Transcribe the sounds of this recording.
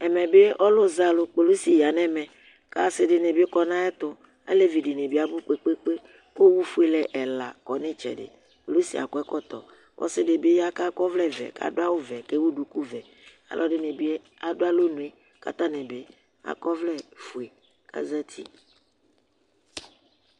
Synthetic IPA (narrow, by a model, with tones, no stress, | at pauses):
ɛ˨mɛ̃˨be˦ʔɔ˦lo˦za˨lo˨k͡pe˨lo˦si˨ja˨nɛ̃˦mɛ̃˨ | ka˦se˦ɖe˦nẽ˨bi˦e˦kɔ˦nã˦ɛ˦t̪o˦ | ḛ˦le˦vi˨ɖe˨nẽ˨bi˦a˨bu˦k͡pe˦k͡pe˦k͡pe˦ | wo˦wu˦fu˦e˨lɛ˨ʔɛ˨la˨kɔ˨nẽ˦t͡ʃɛ̰˨ɖḛ˨ | k͡po˨lo˦sḭ˨a̰˨kɔ˦ɛ˦kɔ˦t̪ɔ̰˨ | wʔɔ̰˦sɪ˦de˨be˦ja˦ka˦kɔ˦vlɛ˦vɛ̰˨ka̰˨do˦a˦wo˦vɛ˨ke˦wu˦ɖu˨ku˦vɛ˨ | a̰˨lʔɔ˦ɖe˦nẽ˨bi˦e˦ | a˨do˦a˦lo˦nũ˨e˦ | ka̰˦t̪ã˦nɛ̃˨be˦ | a̰˨kɔ˦vlɛ˦fu˨e˨ | ka̰˦zɛ˦t̪ʰḭ˦